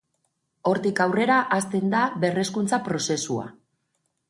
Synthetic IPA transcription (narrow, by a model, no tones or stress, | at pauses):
o̞ɾt̪ikawre̞ɾaʔast̪e̞nd̪aβe̞re̞skunt͡sapɾo̞se̞sua̰